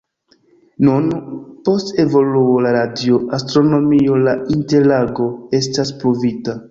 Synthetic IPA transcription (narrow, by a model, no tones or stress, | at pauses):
nunpo̞ste̞vo̞luolaɾadioʔastɾo̞no̞mio̞lainte̞ɾlaɡo̞e̞staspɾovita